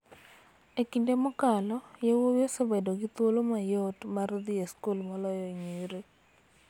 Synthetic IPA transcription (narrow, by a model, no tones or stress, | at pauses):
ekindemɔkalɔjewowosebadoɡɪt̪wolomajɔtmaɾd̪ieskulmalɔjɔɲeɾe